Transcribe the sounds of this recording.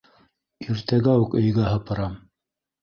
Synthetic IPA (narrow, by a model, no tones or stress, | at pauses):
iɾt̪æɡæukɵ̆jɡæɦɤ̆pɤ̆ɾɑm